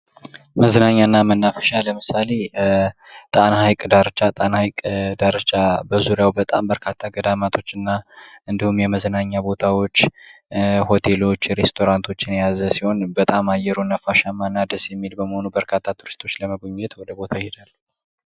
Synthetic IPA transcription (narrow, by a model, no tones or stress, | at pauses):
məzənaɲːanːamənːafə̥ʃaləmɨsale̞ | t̪ʼanahajkʼd̪aɾət͡ʃʼat̪ʼanahajkʼd̪aɾət͡ʃʼabəzuɾjawbət̪ʼambəɾkʰat̪ʰːaɡəd̪amat̪ʰo̞t͡ʃːɨnːaɨnd̪ihumjɛməzənaɲːabo̞t̪ʰawo̞t͡ʃː | ho̞t̪ʰe̞lo̞t͡ʃːɾe̞st̪ʰo̞ɾant̪ʰo̞t͡ʃːɪnjazəsiho̞nbət̪ʼamajɛɾunːəfːaʃamanːad̪əsjɛmːilbəməho̞nubəɾkʰat̪ʰːat̪ʰuɾɨst̪ʰo̞t͡ʃːləməɡoɲːɛt̪wɔd̪əbot̪ʰahed̪alː